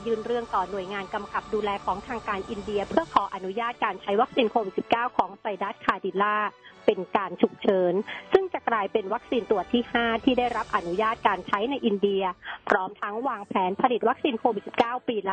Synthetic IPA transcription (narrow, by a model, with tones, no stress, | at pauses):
jɯː˥˩nɾɯ˥˩əŋt̪ɔː˨˩nu˨˩əjŋaː˧nka˧mka˨˩p̚duː˧lɛː˧kʰɔː˩˦ŋt̪ʰaː˧ŋkaː˧nʔi˧ndi˧ɐpʰɯ˥˩ɐkʰɔː˩˦ʔa˧nu˦˥jaː˥˩t̪̚kaː˧nt͡ɕʰa˦˥jwa˦˥k̚siː˧nkʰoː˧wi˨t̪̚si˨˩p̚kaː˥˩wkʰɔː˩˦ŋsa˧jdaː˦˥˩t̪̚kʰaː˧di˧˩laː˥˩pe˧nkaː˧nt͡ɕʰu˨˩k̚t͡ɕʰɤː˨˦nsɯ˥˩ŋt͡ɕa˨˩klaː˧jpe˧nwa˦˥k̚siː˧nt̪u˨˩ət̪ʰːiː˥˩haː˥˩t̪ʰiː˥˩da˥˩jɾa˦˥p̚ʔa˧nu˦˥jaː˥˩t̪̚kaː˧nt͡ɕʰa˦˥jna˧jʔi˧ndi˧ɐpʰɾɔː˦˥mt̪ʰa˦˥ŋwaː˧ŋpʰɛː˩˦npʰa˧li˨˩t̪̚wa˦˥k̚siː˧nkʰoː˧wi˨˩t̪̚si˨˩p̚kaː˥˩wpiː˧l